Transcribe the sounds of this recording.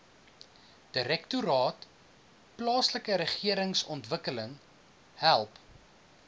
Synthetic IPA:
d̥əɾɛktuɾɑːt | plɑːsləkəɾəχiəɾəŋsɔntvəkələŋ | hælˠp

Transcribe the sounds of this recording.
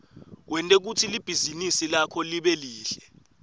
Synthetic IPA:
wʔɛntʼek̬utʰilib̥ʱizinisilakʰɔliɓɛliːɬɛ

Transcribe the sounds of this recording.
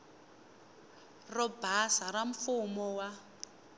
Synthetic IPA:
rɔbasaraɱfumɔwa

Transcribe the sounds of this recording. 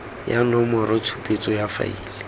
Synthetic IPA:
janɔmɔrɪt͡sʰu̥pʼet͡sʼɔjafa̰iːlɪ

